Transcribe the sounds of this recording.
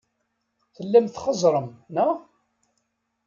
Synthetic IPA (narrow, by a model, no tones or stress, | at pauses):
θəlːæmθχəzˤɾˤəmnæ